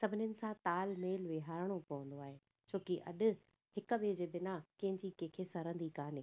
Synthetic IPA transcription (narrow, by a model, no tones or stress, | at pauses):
sɐbʱɪnjənɪ̆sãt̪aːlmeːlʋeɦaːɾəɽ̃opɐʋə̃nd̪oaːɦeː | t͡ɕʰoːkiʔɐɗʊ̆ | hɪkʊʋed͡ʑeːbɪnakɐ̃ɦɪ̃ɲd͡ʑikẽːkʰesɐɾə̃nd̪ikaːneː